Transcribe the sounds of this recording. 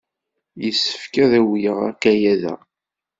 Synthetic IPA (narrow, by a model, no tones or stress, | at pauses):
jəsːə̥fkæðæwjəʁæ̰kːæjæðæ̰